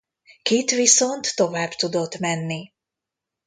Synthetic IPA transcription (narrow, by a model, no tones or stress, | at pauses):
kit̪ʋisont̪ːo̞vaːbt̪ud̪o̞t̪mɛnːi